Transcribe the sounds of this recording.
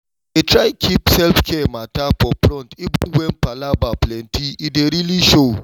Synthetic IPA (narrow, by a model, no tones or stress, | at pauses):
etɾaɪkʰipsɛlfkʰɛmatapɔpɾɔ̃ntibə̃nwɛ̃npalabaplɛ̃ntʰiideɾiliʃo